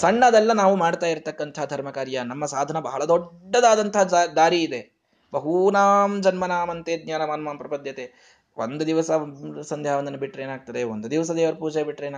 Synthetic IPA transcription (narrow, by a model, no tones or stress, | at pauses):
sɐɳːɐd̪ɛlːɐnaːʋumaːɽt̪aːjiɾt̪ɐkːɐnt̪ɐɦad̪ʱɐɾmɐkaːɾjɐnɐmːɐsaːd̪ʱɐnɐbɐɦɐɭɐd̪ɔɖːɐd̪aːd̪ɐnt̪ɐɦɐd̪aːɾiːd̪e̞ | bɐɦunaːmd͡ʒɐnmɐnaːmɐnt̪eːd̪̚ɲaːnɐmaːnɐmaːmpɾɐpɐd̪jɐt̪e | ʋond̪ud̪iʋɐsɐsɐnd̪jaːʋɐnd̪ɐnːɐbiʈːɾeːnaːɡ̚t̪ɐd̪e̞ʋond̪ud̪iʋɐs̬ɐd̪eːʋɐɾɐpuːd͡ʒɛjɐbiʈːɾeːn